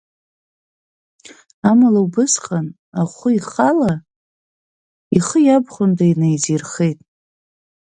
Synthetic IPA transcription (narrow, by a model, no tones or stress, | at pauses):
amalawbɨsqʼan | aχʷʊiχala | iχəjabχʷʊndainajd͡zirχejtʼ